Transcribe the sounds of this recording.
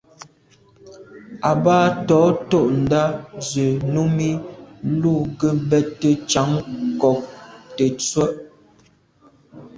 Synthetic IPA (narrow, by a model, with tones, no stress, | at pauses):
a˨baː˦tɔː˨˦to˦˨ʔn̩˨da˦zɥe˨nu˦mi˦lu˦˨ɡə˦bɛ˦tːə˦t͡ʃa˨˦ŋkɔ˨k̚te˨t͡swə˦ʔ